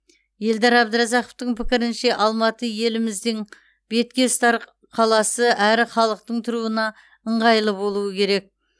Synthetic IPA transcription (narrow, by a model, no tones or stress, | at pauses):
je̞ld̪ɑɾɑbd̪əɾɑzɑqoft̪əɴpʰɪkʲɪɾɪnʃe̞ʔɑlˠmɑt̪əje̞lɪmɪzd̪ɪŋ | b̥e̞t̪kʲe̞st̪ɑɾ | qʰɑlˠɑsəʔæɾɪχɑlˠəq̚t̪əɴt̪ʰʊɾuənɑ | əɴʁɑjlˠəbo̞lˠuəkʲʰe̞ɾe̞k̚